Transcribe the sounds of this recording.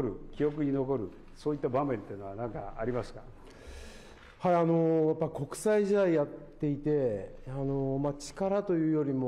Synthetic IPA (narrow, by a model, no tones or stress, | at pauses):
ɾɯ̟kʲijo̞k̬ɯ̟ɲ̟ino̞ko̞ɾɯ̟ | so̞ːit̪ːabamẽ̞nt̪einoanãŋka̰aɾʲimasɨ̥ka | haiano̞japːaɾʲiko̞kɯ̟̥saiʑid̪aijat̪ːe̞it̪e̞ano̞mat͡ɕi̥kaɾat̪o̞jɯ̟ːjo̞ɾʲimo